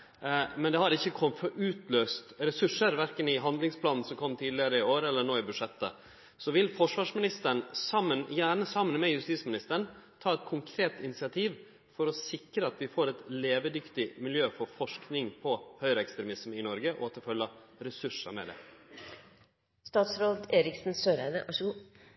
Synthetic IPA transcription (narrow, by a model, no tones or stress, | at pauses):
mɛnd̪ɛhɑɾɪçːəkʰɔmːt̪fɔɾʔʉːt̪løːst̪ɾɛsʉʂəɾʋæɾkənɪɦɑnd̪lɪŋspʰlɑːnn̩sɔmkʰɔmːt̪ʰiːd̪lɪəɾəɪoːɾəɛlːəɳoːɪbʉd̪ʂɛt̪ːə̰ | sɔʋɪlfɔʂʋɑːʂmɪnɪst̪əɳsɑmːənjæːɳəsɑmːənmɛjʉst̪iːsmɪnɪst̪əɳ̩t̪ʰɑːɛt̪̚kʰʊŋkʰɾeːt̪ɪnɪt̪sɪɑt̪ʰiːʋ | fɔɾɔsɪkɾəɑt̪ʋɪfoːɾɛt̪leːʋəd̪ʏkt̪ɪmɪljøːfɔɾfɔʂknɪŋpʰɔhœʏɾəɛkst̪ɾɛmɪsmɪnɔɾɡəʔɔ̰ɑt̪ʰːɪlfœlːəɾɛsʉʂə̰mɛ̰d̪ɛ̰ː | st̪ɑːt̪sɾoːd̪eːɾɪksn̩søːɾæɪd̪əʔɑʂ